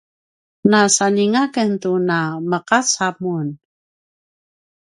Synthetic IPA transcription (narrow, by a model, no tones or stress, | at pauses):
nasaniŋakəntunaməqat͡samun